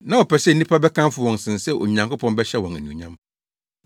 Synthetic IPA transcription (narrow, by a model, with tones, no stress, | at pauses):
nã˨ɔ˨pʰɛ˨sɛ˦n̩˨˦nĩ˦pʰa˦bɛ˦kʰã˦m˦fʊ˨wɔ̃˨n˨sɪ̃˨nsɛ˦ʔo̰˨ɲã˨ŋkʊ˦pʰɔ̃˦nbɛ˦ɕɛ˦wɔ̃˨næ̰˨nũ˨ɲã˦m